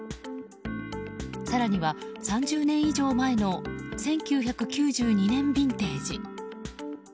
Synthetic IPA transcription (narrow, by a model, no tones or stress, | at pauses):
saɾaɲ̟iβasãɲ̟d͡ʑɨːnẽ̞ɰ̃iʑo̞ːmae̞no̞sẽ̞ŋkʲɨːçakɯ̟kʲɨːʑɨːɲ̟inẽ̞mbʲĩnt̪e̞ːd͡ʑḭ